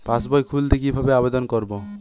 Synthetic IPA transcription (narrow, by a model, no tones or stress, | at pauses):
pãsbɔjkʰult̪ek̬ibʱabeabed̪ɔnkɔɾbo